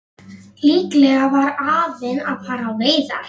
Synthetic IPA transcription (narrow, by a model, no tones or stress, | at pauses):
liːklɛːɣavaɾaːvɪnaðfaːɾawveːjða̰